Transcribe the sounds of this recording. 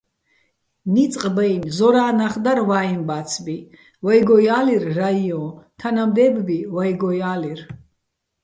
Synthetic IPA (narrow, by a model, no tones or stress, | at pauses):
nit͡sʼqʼbɛjnzɔɾaːnaχd̪aɾvaːimbat̪t͡sʰbi | vajɡɔjaːliɾːaiɔ̃t̪ʰanamd̪ɛːbbivajɡɔjaːlir